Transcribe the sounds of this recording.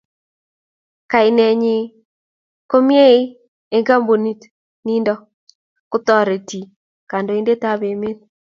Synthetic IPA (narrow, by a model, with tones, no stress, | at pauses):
ka˨ɪ˨nɛ˨ɲɪ˨ | ko˦mje˦ɪ˦ | e˦ŋɡa˦mbo˨ni˦t | ni˦ndɔ˦ | kʊ˦tɔ˨ɾe˨ti˨ | ka˨ndo˨i˦nde˦ta˦βe˨me˦t